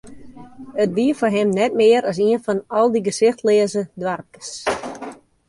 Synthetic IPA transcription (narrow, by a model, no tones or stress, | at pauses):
ət̚diəfɔrɦɪmnɛt̚mɪəɾɔs̬iənfɔnɔlˠdiɡəsɪxtlɪəzədwarkə̥s